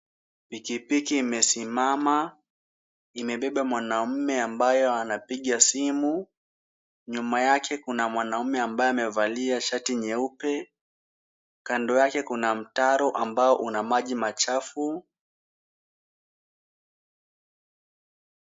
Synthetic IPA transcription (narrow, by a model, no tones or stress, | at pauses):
pikipikiːmɛsimama | imɛɓɛɓamwanam̩mɛambajɔanapiɠasimu | ɲumajakʰɛkunamwanaumɛambajɔamɛvaliaʃatiɲɛupɛ | kandɔjakɛkunam̩taɾɔʔambaɔʔunamaʄimat͡ʃafu